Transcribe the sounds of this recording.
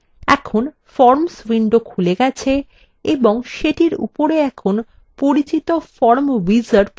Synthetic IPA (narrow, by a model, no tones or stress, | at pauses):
ɛ̰kʰon | fɔɾmswiɳɖokʰuleɡɛt͡ɕʰe | eboŋʃeʈiɾṵpoɾeɛkʰon | poɾit͡ɕit̪ofɔɾmvizaɾp